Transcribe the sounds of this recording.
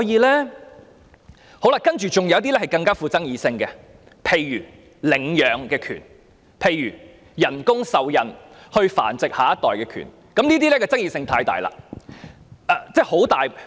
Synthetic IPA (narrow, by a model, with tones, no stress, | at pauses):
jiː˨˧lɛː˥ | ho˨˥wlaː˧˥kɐ˥nt͡ʃyː˨t͡sʊ˨ŋjɐ˨˥wt̪̬iː˥lɛː˥hɐ˨jkɐ˧ŋkaː˥fuː˧t͡sɐ˥ŋjiː˨˧sɪ˧ŋkɛ˧ | pʰe˨˧jjyː˨˩ | lɪ˨˩ŋjœː˨˧ŋkɛː˧kʰy̰ː˨˩n | pʰe˨˧jjyː˨˩ | jɐ˨˩nkʊ˥ŋsɐ˨wjɐ˨nhɵ˧ɥfa̰ː˨˩nt͡sɪ˨k̚haː˨˥jɐ˥t̪ɔː˨jkɛː˧kʰy̰˨˩n | kɐ˨˥mniː˥t̪̬iː˥lɛː˥kɛː˧t͡sɐ˥ŋjiː˧sɪ˧ŋt̪ʰaː˧jt̪a̰ː˨jla̰ː˧ | ɛ˨t͡sɛː˥˩ho˨˥wt̪aː˨j